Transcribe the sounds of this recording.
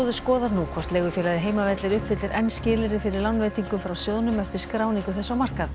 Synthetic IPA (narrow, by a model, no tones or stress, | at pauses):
ðʏskɔːðaɾnuːkʰɔr̥t̪lɛːɣʏfjɛːlajðɪɦeːjmavɛt̪lɪɾʏhpfɪt̪lɪɾʔɛnːscɪːlɪɾɪfɪɾɪɾlanːvɛːjt̪iŋkʏmfɾawsjoːðnʏmɛft̪ɪɾ̥skɾaːwniŋkʏθɛsːawmar̥kað